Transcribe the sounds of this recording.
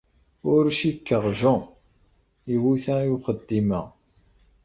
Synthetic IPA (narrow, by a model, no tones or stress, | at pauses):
ʊɾʃikːəʁʒɔ | iwuθæjuχəd̪ːimæ